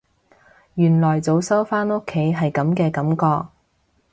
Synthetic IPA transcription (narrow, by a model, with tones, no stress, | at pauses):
jyː˨˩nlɔː˨˩jt͡so˨˧wsɐ˥wfaː˥no˥kʰːe˨˥jɦɐ˨jkɐ˨˥mkɛː˧kɐ˨˥mkɔː˧k̚